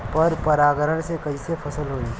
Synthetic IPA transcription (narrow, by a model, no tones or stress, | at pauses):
pɐɾpɐɾaːɡəɾəɽ̃sekɐisepʰɐsəlɦoːiː